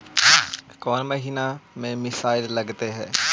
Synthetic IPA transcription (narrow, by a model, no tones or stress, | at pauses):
kɔːnməɦiːnaːmẽːmɪsaːɪlləɡt̪eːɦɛː